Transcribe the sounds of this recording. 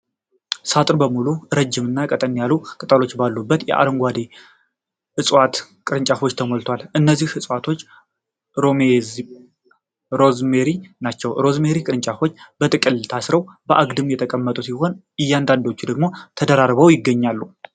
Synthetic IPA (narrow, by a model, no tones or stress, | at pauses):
sat̪ʼɨɾbəmuluɨɾəd͡ʒːɪmɨnːakʼət̪ʼənːjalukʼɨt̪ʼəlo̞t͡ʃːbalːubːət̪jɛ̰ʔa̰ɾəŋɡʷwad̪e | hɨsʼwat̪ | kʼɨɾɨnt͡ʃʼafo̞t͡ʃːt̪ʰəmolt̪ʰwalʔɨnːəzːihɨsʼwat̪ʰo̞t͡ʃː | om | ɾozmeɾinat͡ʃːɛwɾo̞zmeɾikʼɨɾɨnt͡ʃʼafo̞t͡ʃːbət̪ʼɨkʼɨlt̪ʰasɾəwbəʔaɡd̪ɨmjɛt̪ʰəkʼəmːət̪ʼusiho̞n | ɨjːand̪and̪o̞t͡ʃːud̪əɡmo̞t̪ʰəd̪əɾaɾβəwjɪɡːəɲːalːu